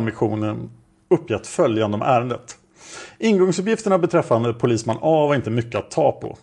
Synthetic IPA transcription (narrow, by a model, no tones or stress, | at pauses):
nmɪɧuːnən | ɵpːjɛt̪ːfœljand̪əɔmʔæːɾənd̪ət̪ | ɪnɡɔŋsɵp̬jɪft̪əɳabɛt̪ʰɾɛfːand̪əpʰʊliːsmanːɑːvaɾɪnt̪əmʏkːəat̪ʰːɑːpʰɔ̰